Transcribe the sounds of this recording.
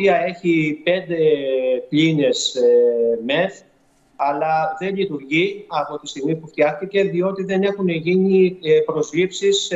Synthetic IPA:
iɐe̞çipe̞nd̪e̞pʎine̞s | me̞f | ɐlɐðe̞ʎit̪uɾʝiɐpo̞t̪ist̪iɣmipuft̪jɐxt̪ice̞ðio̞t̪iðe̞ne̞xuneʝinipɾo̞zlipsis

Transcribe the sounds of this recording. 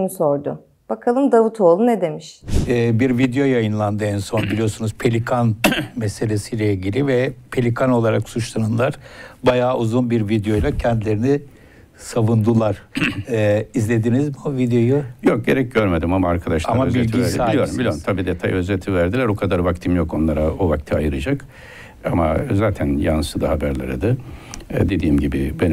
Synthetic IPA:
mso̞ɾd̪ʊ | b̥akʰalˠɯmd̪avut̪ʰo̞ːlˠunɛd̪e̞miʃɛːbiɾvid̪ejo̞jajɯnlˠand̪ɯɛnso̞nbilʲijo̞sunuz̥pʰe̞lʲikʰanmɛse̞lʲe̞sijlʲɛiɟilʲivɛpʰe̞lʲikʰano̞lˠaɾaksut͡ʃlˠanɯnlˠaɾ̥bajaːʔuzunbiɾvid̪ejo̞jlˠacʰɛnd̪lʲe̞ɾini | savund̪ɯlˠaɾ̥ | izlʲe̞d̪inizmiovid̪ejo̞jujok̚ɟe̞ɾɛc̚ɟøɾme̞d̪imamaːɾkʰad̪aʃaamaøzbielʲt̪ɟiæɾsaiijoɾumbilʲijoɾumt̪ʰabiːd̪ɛt̪ʰajø̞zet̪ʰivæɾd̪ilʲæɾokʰad̪aɾvakt̪ʰimjoko̞nlˠaɾaovakt̪ʰiajɯɾad͡ʒak | amazaːt̪ʰænjansɯd̪aɦabæɾlʲḛɾḭd̪ɯ | d̪e̞d̪iːmɟibɪben

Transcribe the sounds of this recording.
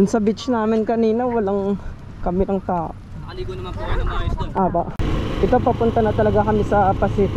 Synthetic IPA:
d̪ʊnsɐbɪt͡ʃnaːmɪnkɐniːnɐwɐlaŋ | kɐmɪnɐŋt̪aːʔo | ʔaːbɐʔʔɪt̪opɐpʊnt̪ɐnɐt̪ɐlɐɡakɐmɪsɐpɐsɪt̪ɪ

